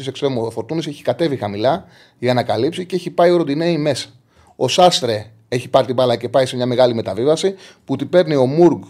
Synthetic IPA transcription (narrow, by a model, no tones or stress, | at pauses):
iseksɾemofo̞ɾt̪unise̞çi̥kɐt̪e̞vixɐmilɐ | iɐnɐkɐlipsiceeçipɐioɾod̪ineime̞sɐ̥ | o̞sɐst̪ɾe̞ | e̞çipɐɾit̪ibɐlɐce̞pɐise̞mɲɐme̞ɣɐlime̞t̪ɐvivɐsiput̪ipe̞ɾnio̞muɾɡ